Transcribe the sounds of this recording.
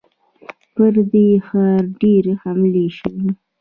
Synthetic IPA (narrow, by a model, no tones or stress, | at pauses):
pəɾd̪exɑɾɖeɾhamleʃəwi